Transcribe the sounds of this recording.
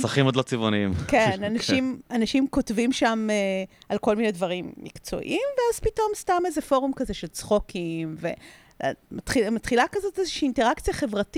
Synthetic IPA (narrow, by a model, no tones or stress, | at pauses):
saχimod̪lot͡sivoniimkenanaʃimanaʃimko̞tvimʃamealko̞lmine̞dvɐʁimːḭkt͡so̞̰ʔimveaz̥pito̞mstamezefo̞ʁumkazeʃe̞lt͡sχokʰimve̞̰ | matχimatχilakazo̞tezeʃiːnteʁakt͡sijaχe̞vʁati